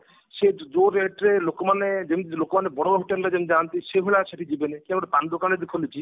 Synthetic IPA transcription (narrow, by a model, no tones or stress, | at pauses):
ʃed͡ʒoɾeʈɾelokɔmaned͡ʒemit̪lokɔmanebɔɽ̃ɔbaɦuʈemlad͡ʒemd͡ʒant̪iʃeɦuɭaʃeʈʰid͡ʒibenekiaɡɾepand̪okaɽ̃ed̪ikʰolit͡ʃʰi